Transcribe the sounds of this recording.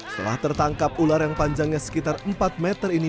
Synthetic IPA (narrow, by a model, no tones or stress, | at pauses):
sə̥t̪əla̰ht̪ərt̪aŋkap̚ularjaŋpaɲd͡ʒaŋɲasə̥kit̪arəmpat̪̚mɛt̪ərini